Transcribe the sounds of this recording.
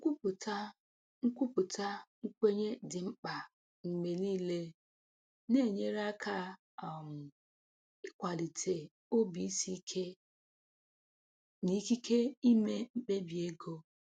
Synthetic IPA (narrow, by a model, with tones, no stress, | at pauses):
ku˦pʊ˨ta˦ | ŋ̩˦kʷu˦pʊ˨tʰa˦ŋ̩˦kʷe˦ɲe˦dɪ˨ŋ͡m̩˦k͡pa˨ | ŋ͡m̩˨me˨liː˦le˦ | ne˦˨ɲe˦ɾa˦kʰa˦˨ | m̩˨ | ɪ˦kʷa˨li˨tʰe˨ | o˦bi˨i˦si˦kʰe˦ | ni˦ki˦kʰe˦i˦me˦m̩˦k͡pe˦bi˨e˦ɡo˦